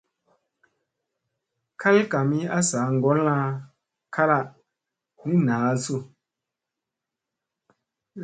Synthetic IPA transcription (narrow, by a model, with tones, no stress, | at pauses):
kʰa˦lka˨mi˦a˦saː˨˦ŋ˨ɡɔ˦la˦ | kʰa˦ɾa˦˨ | ni˦naː˨˦su˦˨